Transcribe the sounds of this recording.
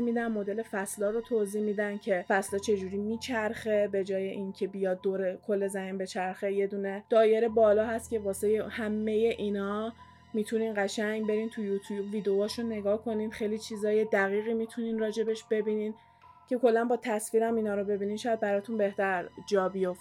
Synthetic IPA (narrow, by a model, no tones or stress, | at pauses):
miːd̪ænmo̞d̪e̞le̞fæslɒːɾot̪ʰoziːhmiːd̪æncʰe̞fæslɒːt͡ʃʰe̞d͡ʒuɾiːmiːt͡ʃʰæɾxe̞be̞d͡ʒɒːje̞ʔincʰe̞bijɒːd̪̚ːoɾekʰolːe̞zæhinbe̞t͡ʃʰæɾxe̞je̞d̪uːne̞d̪̥ɒːje̞ɾe̞bɒːlɒːɦæst̪̚ce̞vɒːse̞jehæmːe̞je̞ʔiːnɒː | miːt̪ʰuniːnɢæʃæɲbe̞ɾiːnt̪ʰujut̪ʰujubviːd̪eoːʃunnːe̞ɡɒːhkʰo̞niːnxe̞jliːt͡ʃʰiːzɒːje̞d̪æɣiːɣiːmit̪ʰuninrɒːd͡ʒe̞be̞ʃb̥e̞biniːn | cʰe̞kʰo̞lːænbɒːt̪ʰæsfiːɾæmiːnɒːɾobe̞biːniːnʃɒjæd̪̚bæɾɒːt̪ʰunbe̞ht̪æɾd͡ʒɒːbijoft̪